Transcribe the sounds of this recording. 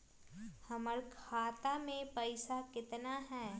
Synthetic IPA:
hɐməɾkʰaːt̪amẽpɐɪsakɪt̪naɦɛː

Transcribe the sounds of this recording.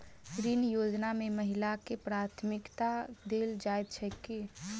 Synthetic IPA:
kɾiːnjoːd͡ʒnamẽməɦɪlakepɾaːt̪ʰmɪkt̪ad̪eːld͡ʒaːjt̪̚t͡ʃʰɛke

